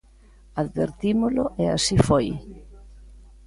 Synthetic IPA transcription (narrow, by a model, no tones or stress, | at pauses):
aðβḛɾt̪imʊlʊʔea̰sifoj